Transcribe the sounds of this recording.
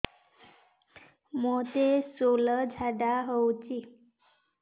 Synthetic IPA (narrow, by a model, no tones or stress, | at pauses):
mot̪esoləd͡zʱaɖaɦəwt͡ɕi